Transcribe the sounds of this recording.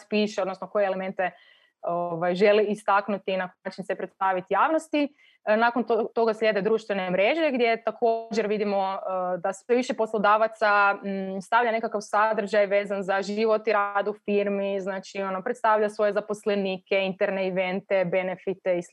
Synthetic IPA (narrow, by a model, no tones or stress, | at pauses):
piːʃeod̪nosnoko̞jeleme̞nt̪e | oʋajʒe̞liist̪aknut̪inakaːt͡ʃinsepɾet̪st̪aʋit̪ijaːʋnost̪i | nakont̪ot̪o̞ɡaslʎʲe̞d̪ed̪ɾuːʃt̪ʋenemɾe̞ʒe̞ɡd̪je̞t̪akʰo̞d͡ʒeɾʋid̪imo̞d̪asʋeʋiʃepo̞slˠod̪aːʋat̪sast̪aʋʎane̞kakaʋsad̪ɾr̩ʒajʋe̞ːzanzaʒiʋo̞t̪iɾaːd̪ufiːɾmiznaːt͡ʃio̞nopɾet̪st̪aʋʎasʋo̞jezapo̞sleniːkeint̪eɾneiʋe̞nt̪ebe̞nefit̪eis